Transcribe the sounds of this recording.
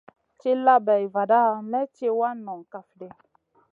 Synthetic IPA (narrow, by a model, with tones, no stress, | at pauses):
t͡ʃe˦la˦bɛ˨i˨va˨da˦mɛ˦te˦wa˦nɔ̃˨ŋka˨fdɛ˨